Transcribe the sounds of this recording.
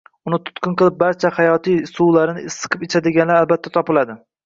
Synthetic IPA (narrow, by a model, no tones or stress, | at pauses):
ʊnɪt̪ʰʊ̥t̪kʲɨnqɨlˠɪp̚baɾt͡ʃʰahajɒt̪ʰijsuwlaɾɪnɪɪsːɨ̥qʰɨpet͡ʃʰad̪ɪɡʲanlaɾalbat̪ʰːat̪ʰɒpɪlad̪ɪ